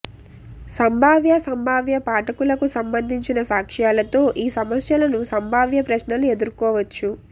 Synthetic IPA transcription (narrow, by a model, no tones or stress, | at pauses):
sɐmbʱaːʋjɐsɐmbʱaːʋjɐpaːʈɐkulɐkusɐmbɐnd̪ʱiɲt͡ʃinɐsaːkʂjaːlɐt̪o̞ːʔiːsɐmɐsjɐlɐnusɐmbʱaːʋjɐpɾɐʃnɐlue̞d̪uɾukɔːʋɐt͡ʃːu